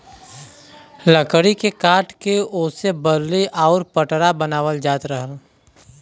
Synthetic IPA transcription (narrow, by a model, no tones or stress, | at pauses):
ləkɽikekaːʈkeoːsebəɾliʔaːɾpəʈɾabənaːʋəld͡ʒaːt̪ɾəɦəl